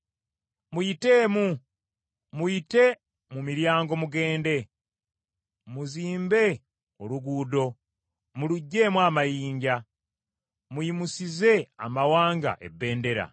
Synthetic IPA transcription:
mujite̞ːmu | muite̞ | mumiɾjaːŋɡo̞muɡe̞ːnde̞ | muziːmbe̞ | oɾuɡuːdo̞ | muluɟːe̞ːmwamajiːɲɟa | muimusize̞a̰mawaːŋɡa̰ʔe̞̰bːe̞ːnde̞ɾa̰

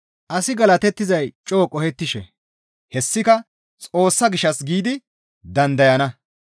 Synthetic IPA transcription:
ʔɐsɪɡɐlɐt̪ɛt̪ːɪzɐjt͡ʃʼoːkʼɔhɛt̪ːɪʃɛ | hɛsːɪkɐ | t͡sʼo̞ːsːɐɡɪʃːɐsɡiːd̪ɪ | d̪ɐnd̪ɐjɐnɐ

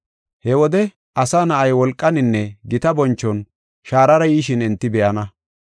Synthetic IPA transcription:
hɛwɔd̪ɛ | ʔɐsaːnɐʔɐjwɔlkʼːɐnɪnːɛɡɪt̪ɐbɔnt͡ʃːɔn | ʃaːɾɐɾɐjiːʃɪnɪnt̪ːɪbɛʔɐnɐ

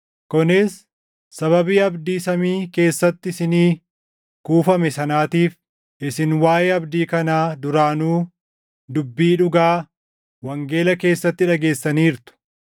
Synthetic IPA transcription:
kʊnɪsː | ɐβɐbiːɐbd̪iːsɐmiːke̞ːsːɐt̪ːɪɪsɪniː | kuːfɐmɛsɐnaːt̪iːf | ʔɪsɪnwaːjeːɐbd̪iːkɐnaːd̪ʊɾaːnuː | d̪ʊbːiːᶑʊɡaː | wɐŋɡe̞ːlɐke̞ːsːɐt̪ːɪᶑɐɡe̞ːsːɐniːɾt̪ʊ̥

